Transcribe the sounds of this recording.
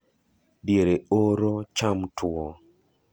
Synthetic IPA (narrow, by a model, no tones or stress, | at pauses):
djeɾeoɾot͡ʃamtʰwɔ